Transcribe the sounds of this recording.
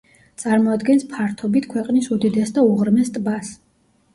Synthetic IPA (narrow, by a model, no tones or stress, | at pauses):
t̪sʼaɾmɔad̪ɡɛnspʰaɾt̪ʰɔbit̪ʰkʰwɛqʼnisud̪id̪ɛsd̪auʁɾmɛst̪ʼbas